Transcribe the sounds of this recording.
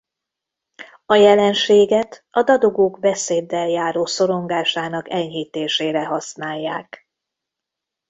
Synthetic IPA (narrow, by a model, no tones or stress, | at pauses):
ɒjɛlɛnʃeːɡɛt̪ɒd̪ɒd̪oɡoːɡbɛseːd̪ːɛljaːɾoːso̞ɾo̞ŋɡaːʃaːnɒkɛɲhiːt̪eːʃeːɾɛɦɒsnaːjːaːk